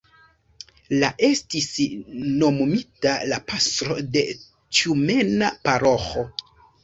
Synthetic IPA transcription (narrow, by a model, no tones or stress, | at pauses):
laʔe̞stisno̞mumitalapastɾo̞de̞ | t͡ʃiume̞napaɾoxo